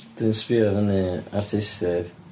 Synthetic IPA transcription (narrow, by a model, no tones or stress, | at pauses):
d̥ɨnspiɔðəniartʰɪstɛð